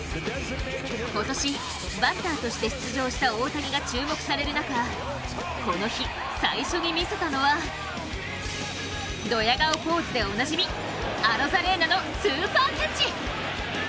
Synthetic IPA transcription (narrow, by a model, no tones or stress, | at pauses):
ko̞t̪o̞ɕi | bat̪ːaːt̪o̞ɕi̥t̪eɕi̥t͡sɨʑo̞ːɕi̥t̪aoːt̪aɡʲiɡat͡ɕɨːmo̞kɯ̟̥saɾe̞ɾɯ̟naka | ko̞no̞çi | saiɕo̞ɲ̟imʲise̞t̪ano̞βa | d̪o̞jaɡaopo̞ːt͡sɨd̪e̞o̞naʑimʲi | aɾo̞zaɾe̞nano̞t͡sɨːsãt̪at͡ɕi